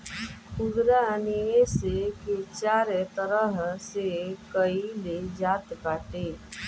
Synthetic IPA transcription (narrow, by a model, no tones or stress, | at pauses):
ʊd̪ɾanieseket͡ʃaːɾet̪əɾəɦsekəiled͡ʒaːt̪kaːʈeː